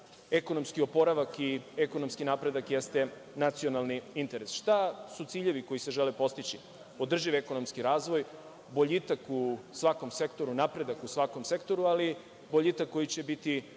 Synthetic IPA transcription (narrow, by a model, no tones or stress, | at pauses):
e̞ko̞no̞mskiopo̞ɾaʋakieko̞no̞mskinapɾe̞d̪akjest̪e̞ | nat̪sio̞nalˠniint̪e̞ɾesʃt̪asut̪siːʎe̞ʋiko̞jise̞ʒelepo̞st̪it͡ɕi | o̞d̪r̩ʒiʋeko̞no̞mskiɾaːzʋo̞j | boʎit̪akusʋako̞mse̞kt̪o̞ɾunapɾe̞d̪akusʋako̞mse̞kt̪o̞ɾuali | boʎit̪akːo̞jit͡ɕe̞bit̪i